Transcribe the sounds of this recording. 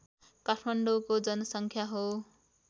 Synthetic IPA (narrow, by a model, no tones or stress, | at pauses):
kaʈʰmʌɳɖokod͡zʌnʌsʌŋkʰjaɦo